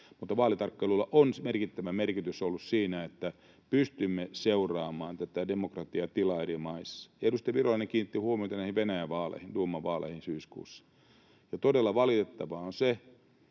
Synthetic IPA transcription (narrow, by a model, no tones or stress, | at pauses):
mut̪ːɑʋɑːlit̪ɑrkːeilulːɑʔonsmerkit̪ːæʋæmerkit̪ysolːussiːnæet̪ːæ | pyst̪ymːeseurɑːmɑːnt̪æt̪ædemokrɑt̪iɑt̪ilɑerimɑisːɑ̥jɑedust̪ɑiʋirolɑneŋkiːnːit̪ːihuomiot̪ɑnæˑihiʋʋenæjæʋʋɑːlḛːhinduomːɑʋɑːlḛːhinsyːskṵːsːɑ̥ | jɑt̪odelːɑʋɑlit̪et̪ːɑʋɑonse